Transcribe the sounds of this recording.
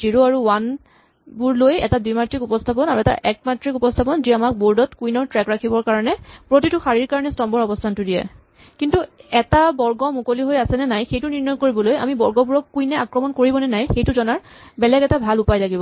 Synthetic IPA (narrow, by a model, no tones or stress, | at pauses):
ziɹoaɹuwan | buɹlojɛ̰tadujmatɹikupɔstʰapɔnaɹuɛta̰ʔɛk̚matɹikupɔstʰapɔnziamak̚boɹdɔtkujnɔɹtɹɛkɹakʰibɔɹkaɹɔnɛpɹotitʊxaɹiɹkaɹɔnɛstɔmbɔɹɔbɔstʰantʊdijɛ̰ | kintuɛtabɔɹɡɔmukoliɦojasɛnɛnajxejtʊniɹnɔjkoɹibɔloja̰mibɔɹɡɔbuɹɔkːujnɛakɹɔmɔnkoɹibɔnɛnajxejtʊzɔnaɹ | bɛlɛɡɛtabʱalupajlaɡibɔ